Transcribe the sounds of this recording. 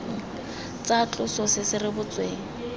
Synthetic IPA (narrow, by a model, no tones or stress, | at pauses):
t͡sat͡ɬʼʊsɔsɪsɪrɪbʊt͡sweːŋ̩